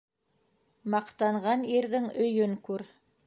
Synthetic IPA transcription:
mɑqt̪ɑɴʁɑniɾðɘŋɵ̆jɵŋkʉɾ

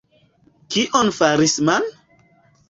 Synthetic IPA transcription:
kiʔonfaɾisman

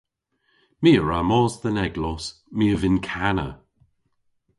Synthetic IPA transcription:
miːəɹamɔːzðənɛɡlɔs | miːəvɪnkʰanə̰

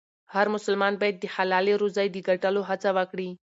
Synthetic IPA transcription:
hɐɾmʊsəlmaːnbɐjt̪̚d̪ihalaːleɾuzajd̪iɡəʈaloɦɐt͡saʋakɽi

